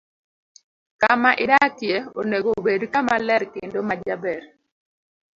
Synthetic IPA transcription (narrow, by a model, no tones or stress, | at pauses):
kamaʔɪdakjeo̰neɡobedkamalɛɾkendomad͡ʒabɛɾ